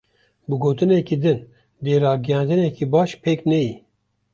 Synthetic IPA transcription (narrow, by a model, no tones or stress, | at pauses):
bɨɡoːt̪ɨnɛkid̪ɨn | d̪eːɾɑːɡijɑ̃ːnd̪ɨnɛkibɑːʃpʰeːknɛji